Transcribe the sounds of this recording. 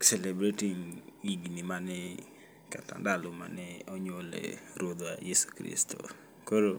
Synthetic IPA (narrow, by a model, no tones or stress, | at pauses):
sɛlebɾetiŋɡiɡnimanɛ | kata̰ndaloma̰nɛɔɲolɛ̰ɾwod̪oajesu̥kɾḭsto̰ | koɾo